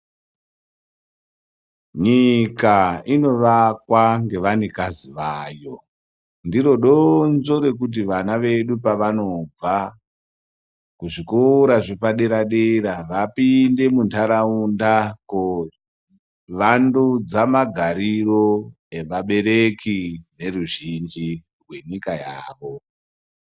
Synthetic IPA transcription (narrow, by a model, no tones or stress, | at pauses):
ɲikaino̞ʋakwaŋɡe̞ʋanekaziʋaːjo̞ | ndiro̞ɗonzo̞ɾe̞k̬ut̬iʋanaʋe̞ɗupaʋano̞b͡va | kuʐikoɾaʐepaɗe̞ɾaɗeɾaʋapinde̞muntʰaɾaundako | ʋandud͡zamaɡʱaɾiro̞ | eʋaɓe̞ɾekine̞ruʒind͡ʒi | rwe̞ɲikajaːʋo̞